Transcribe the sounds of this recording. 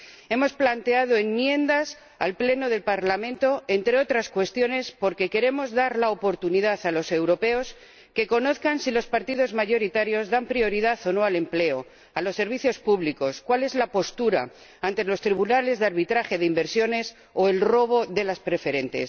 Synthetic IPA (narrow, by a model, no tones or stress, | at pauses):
e̞mo̞splant̪e̞að̞o̞enmjẽ̞nd̪as | a̰lple̞no̞ðe̞lpaɾlamẽnt̪o̞e̞nt̪ɾe̞o̞t̪ɾaskwe̞st̪jo̞ne̞spo̞ɾke̞ke̞ɾe̞mo̞zðaɾlaopo̞ɾt̪uniðaθalo̞se̞wɾo̞pe̞os | ke̞ko̞no̞θkansilo̞spaɾt̪iðo̞zmaʝo̞ɾit̪aɾjo̞zðampɾio̞ɾiðaθo̞no̞ale̞mple̞o̞ | alo̞sːe̞ɾβ̞iθjo̞spuβliko̞skwale̞zlapo̞st̪uɾa̰ | ant̪elo̞st̪ɾiβunale̞zðaɾβit̪ɾaxe̞ðeimbe̞ɾsjo̞ne̞s | o̞e̞lro̞β̞o̞ðe̞laspɾe̞fe̞ɾe̞nt̪e̞̰s